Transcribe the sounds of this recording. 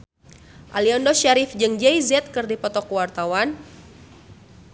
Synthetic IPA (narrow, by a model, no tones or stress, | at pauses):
ʔaliɔndɔsʃaɾifd͡ʒɨŋd͡ʒɛjzɛt̪̚kɨrdipɔt̪ɔkwart̪awan